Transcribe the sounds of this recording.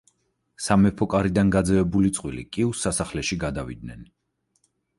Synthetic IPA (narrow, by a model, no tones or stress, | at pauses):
samɛpʰɔkʼaɾid̪anɡad̪zɛvɛbulit̪sʼqʼwilḭkʼiusːasaχlɛʃiɡad̪avḭd̪̚nɛ̰n